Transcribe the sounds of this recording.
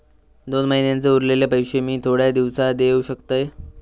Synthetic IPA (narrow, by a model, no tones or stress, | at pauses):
d̪onməɦinjant͡seuɾlelapəjɕemiːt̪ʰoɽjad̪iʋsad̪euɕəkt̪əj